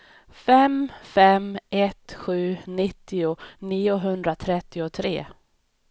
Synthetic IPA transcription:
fɛmfɛmʔɛt̪ɧʉ̟ːnɪt̪ːɪʊniːʊɦɵnd̪ɾat̪ʰɾɛt̪ːɪʊt̪ʰɾḛː

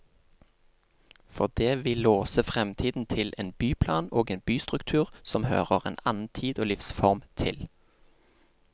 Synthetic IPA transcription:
fɔʁd̪eːʋɪloːsəfʁɛmt̪ʰiːd̪n̩t̪ʰɪlʔeːnbyːpʰlɑːnoːɡeːnbyːst̪ʁʉkt̪ʰʉːʁsɔmhø̰ːʁəʁḛːnɑnn̩t̪ʰiːd̪oːlɪfsfɔʁmt̪ʰɪ̰l

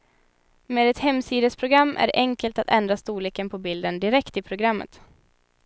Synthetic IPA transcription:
meːd̪ɛt̪hɛmːsiːd̪əspʰɾʊɡɾamːʔæ̰ɾʔɛŋkəlt̪at̪ʰɛnd̪ɾast̪uːliːkənpʰɔbɪld̪ənd̪ɪɾɛkt̪ɪpʰɾʊɡɾamːə̰t̪

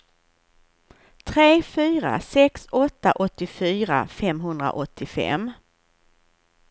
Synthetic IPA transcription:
t̪ʰɾeːfyːɾa̰sɛksɔt̪ːaʔɔt̪ːɪfyːɾa̰fɛmɦɵnd̪ɾa̰ʔɔt̪ʰːɪfɛ̰m

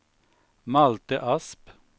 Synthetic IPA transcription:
mɑlt̪əʔɑsp

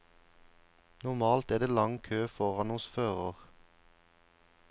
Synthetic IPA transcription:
nʊʁmɑːlt̪æːʁd̪eːlɑŋkʰøːfɔʁɑnʊsføːʁəʁ

